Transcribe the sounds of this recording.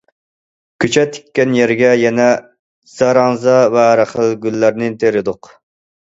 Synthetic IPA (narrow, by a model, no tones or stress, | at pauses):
kʰʲyt͡ʃʰɛt̪ʰːi̥kʲːɛnjɛɾɡʲɛjɛnɛ | z̥ɑɾɑŋzɑvɛɾæχəlˠɡʲylːæɾnɪt̪ʰeɾɪd̪ʊq